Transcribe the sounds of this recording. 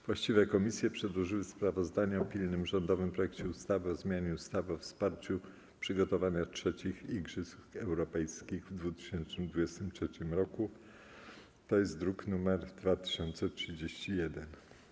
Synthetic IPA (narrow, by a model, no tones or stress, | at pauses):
vwaɕt͡ɕivɛkɔmʲisʲjɛpʂɛd̪wɔʐɘwɘspɾavɔzd̪aɲɛɔpʲilnɘmʐɔnd̪ɔvɘmpɾɔjɛkt͡ɕɛust̪avɘɔzmʲjaɲɛust̪avɘɔfspaɾt͡ɕu | pʂɘɡɔt̪ɔvaɲatʂɛt͡ɕixiɡʐɘsuɛwɾɔpɛjskʲiɣvd̪vut̪ɘ̥ɕɛntnɘmd̪vud͡ʑɛst̪ɘmtʂɛt͡ɕimɾɔku | t̪ɔjɛst̪̚d̪ɾuknumɛɾd̪vat̪ɘ̥ɕɔnt̪sɛtʂɘd͡ʑeɕt͡ɕijɛd̪ɛn